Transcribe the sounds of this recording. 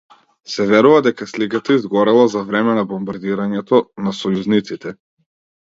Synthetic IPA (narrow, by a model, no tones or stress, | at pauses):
sɛvɛɾuvad̪ɛkaslikat̪aizɡɔɾɛlˠazavɾɛmɛnabɔmbaɾd̪iɾaɲɛt̪ɔnasɔjuznit̪sit̪ɛ